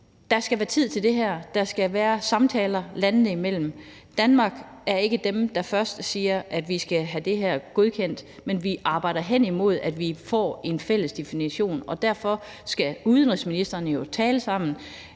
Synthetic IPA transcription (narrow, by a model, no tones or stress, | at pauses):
d̥ɑ̈sɡ̥æʋæːɐt͡sʰið̞̰ˠt͡sʰe̝ld̥e̝ɦæɐ̰d̥ɑ̈sɡ̥æʋæːɐsɑ̈mt͡sʰɛːlɐlænð̩ˠəimel̰m̩ | d̥ænmɑ̈ːɡ̥æɐe̝ɡ̥əd̥emd̥ɑ̈fɶɐsd̥əsiːɐʔæd̥ʋisɡ̥æɦæd̥e̝ɦæɐ̰ɡ̥o̝ð̞ˠkʰen̰d̥ | menʋiʔɑ̈ːb̥ɑ̈ɪd̥ɐɦen̰imo̝ð̞̰ˠæd̥ʋifɒ̰ːe̝nfel̰əsd̥e̝finiɕo̝̰ːnɒ̽d̥æɐ̰fɒ̽ | sɡ̥æuðˠənʁisminisd̥ɐnəjo̝t͡sʰɛːləsɑ̈m̰n̩